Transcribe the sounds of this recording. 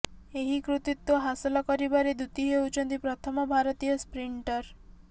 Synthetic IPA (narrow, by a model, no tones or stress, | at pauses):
eɦikɾut̪it̪ːwoɦasɔlɔkɔɾibaɾed̪ut̪iɦewt͡ʃʰɔnt̪ipɾɔt̪ʰɔmɔbʱaɾɔt̪ijɔspɾiɳʈɔɾ